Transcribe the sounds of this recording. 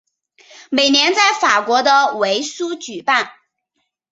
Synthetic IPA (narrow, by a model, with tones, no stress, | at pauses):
me˨˩ɪnjɛ˧˥nt͡sa˥˩ɪfa˨˩kwɔ˧˥d̪ə˧we˧˥ɪsu˥t͡ɕy˨˩pa˥˩n